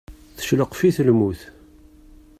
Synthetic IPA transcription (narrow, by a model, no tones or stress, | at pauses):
θə̥ʃləqfiθəlmuθ